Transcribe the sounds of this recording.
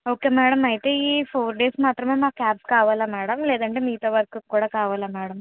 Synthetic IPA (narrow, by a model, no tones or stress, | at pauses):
o̞ːkeːmɛːɽɐmɐjit̪eːiːpʰoːɾɖe̞ːsmaːt̪ɾɐmeːmaːkkaːp̚kaːʋaːlamɛːɽɐmlɛːd̪ɐɳʈeːmiːt̪oːʋɐɾɐkukːuːɽaːkaːʋaːlamɛːɽɐm